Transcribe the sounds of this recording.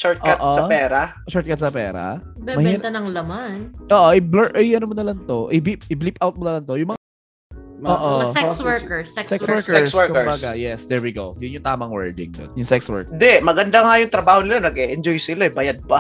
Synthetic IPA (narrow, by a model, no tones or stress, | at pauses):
ʃɔɹt̪ʔkatʔosɐpɛːɾa | ʃɔɹt̪̚kɐt̪̚sɐpɛːɾɐ̰bɛmɐhɛt̪ɐnɐŋlɐmanʔoːʔoʔɪblɛʔɐjʔɐnomonɐlant̪o̞ʔɪbip̚ɪblipʔawt̪̚monɐlant̪o̞jʊŋmɐ | moːʔoɛswɛkɛsɛksɛkswɛkɛswɛɹkʊɛɹmbaɡajɛsd̪ɛɹwiɡowjʊnjʊŋt̪aːmɐŋwɛɹd̪ɪ̰ŋd̪o̰njʊŋsɛkswɛ̰ɹkɪnd̪ɛmɐɡɐnd̪aŋajʊŋt̪ɾɐbaːhonɪlanɐɡɛʔɛnd͡ʒojsɪloɛbajad̪̚ba